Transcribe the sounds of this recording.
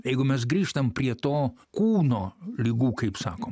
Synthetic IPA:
jɛɪɡʊmʲɛsɡɾʲiːʃt̪ɐmpʲɾʲiɛt̪oːkuːnoːlʲiɡuːkɐɪpsɑːkoːm

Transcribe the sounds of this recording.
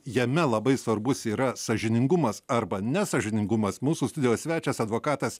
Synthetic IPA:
jɛmʲɛlˠɐbɐɪsʋɐɾbʊsiːɾɐsɐʒʲɪnʲɪŋɡʊmɐsɐɾbɐnʲɛsɐʒʲɪnʲɪŋɡʊmɐsmuːsuːst̪ʊd̪ʲɪjoːsʲʋʲæːt͡ʃʲɛsɐd̪ʋoːkɑːt̪ɐs

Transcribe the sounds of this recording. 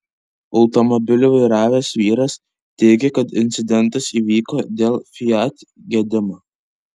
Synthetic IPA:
ɒʊt̪ɔmɔbʲɪlʲʊʋɐɪɾɑːʋʲeːsʋʲiːɾɐs | t̪ʲɛɪɡʲɛkɐt̪ɪnʲt̪sʲɪd̪ʲɛnˑt̪ɐsiːʋʲiːkoːd̪ʲeːlˠfʲɪjɑt̪ʲ | ɡʲɛd̪ʲɪmo

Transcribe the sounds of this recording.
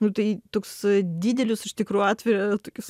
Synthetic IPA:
nʊt̪ɐɪt̪oːksd̪ʲiːd̪ʲɛlʲʊsɪʃt̪ʲɪkɾuːjɑːt̪ʲʋʲɪɾɐɐt̪oːkʲʊs

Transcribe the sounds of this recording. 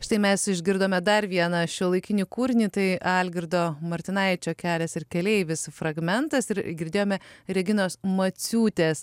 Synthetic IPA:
ʃɪt̪ɐɪmʲɛsɪʒʲɡʲɪɾd̪oːmʲɛd̪ɐɾʋʲiɛnɐʃʲolˠɐɪkʲɪnʲiːkuːɾʲnʲiːt̪ɐɪɑlʲɡʲɪɾd̪oːmɐɾʲt̪ʲɪnɐɪt͡ʃʲoːkʲæːlʲɛsɪɾkʲɛlʲɛɪʋʲɪsfɾɐɡmʲɛnt̪ɐsɪɾɡʲɪɾʲd̪ʲeːjoːmʲɛɾʲɛɡʲɪnoːsmɐt͡s̪ʲuːt̪ʲeːs

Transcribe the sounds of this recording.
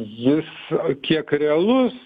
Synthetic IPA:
jɪskʲiɛkɾʲɛɐlˠʊs

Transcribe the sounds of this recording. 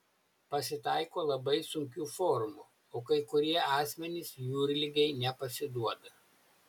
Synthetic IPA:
pɐsʲɪt̪ɑˑɪkoːlˠɐbɐɪsʊŋʲkʲuːfɔɾmu | oːkɐɪkʊɾʲiɛʔɑːsʲmʲɛnʲɪsjuːɾʲlʲɪɡʲɛɪnʲɛpɐsʲɪd̪uɔd̪ɐ

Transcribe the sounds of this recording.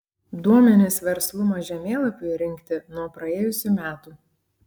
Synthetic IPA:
d̪uɔmʲɛnʲɪsʋʲɛɾslˠʊmɐʒʲɛmʲeːlˠɐpʲʊɾʲɪŋʲkt̪ʲɪnuɔpɾɐeːjʊsʲʊmʲæːt̪uː

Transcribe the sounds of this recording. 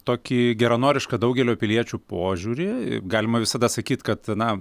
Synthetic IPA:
t̪oːkʲiːɡʲɛɾɐnoːɾʲɪʃkɐd̪ɐʊɡʲɛlʲoːpʲɪlʲiɛt͡ʃʲupoːʒʲuːɾʲɪ̰ɡɑːlʲɪmɐʋʲɪsɐd̪ɐsɐkʲiːt̪kɐt̪nɐ

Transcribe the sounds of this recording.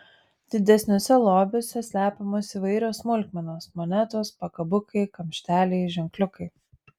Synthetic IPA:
d̪̥ʲɪd̪ʲɛsʲnʲʊsʲɛlˠoːbʲʊsʲɛsʲlʲæːpʲomoːsiʋɐɪɾʲoːsmʊlʲkʲmʲɛnoːsmɔnʲæt̪oːspɐkɐbʊkɐɪkɐmʲʃʲt̪ʲæːlʲɛɪʒʲɛŋklʲʊkɐɪ

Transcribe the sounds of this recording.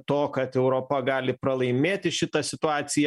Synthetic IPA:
t̪oːkɐt̪ɛʊɾoːpɐɡɑːlʲɪpɾɐlˠɐɪmʲeːt̪ʲɪʃʲɪt̪ɐsʲɪt̪ʊɑːt̪sʲɪjɛ

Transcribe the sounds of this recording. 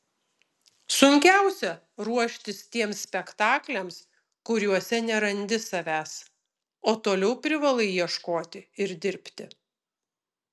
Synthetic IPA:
sʊŋʲkʲæˑʊsʲɛ | ɾuɔʃʲt̪ʲɪst̪ʲiɛmsʲsʲpʲɛkt̪ɑːklʲɛms | kʊɾʲuɔsʲɛnʲɛɾɐnʲd̪ʲɪsɐʋʲæːs | oːt̪oːlʲɛʊpʲɾʲɪʋɐlˠɐɪjiɛʃkoːt̪ʲɪɪɾd̪ʲɪɾʲpʲt̪ʲɪ

